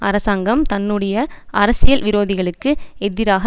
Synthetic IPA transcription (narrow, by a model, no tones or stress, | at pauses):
ʔɐ̰ɾɐsaːŋɡɐmt̪ɐnːɯɽɐjɐɐɾɐsɪjɐlʋɪɾoːðɪɣɐɭɯkːɯɛðɪɾaːɣɐ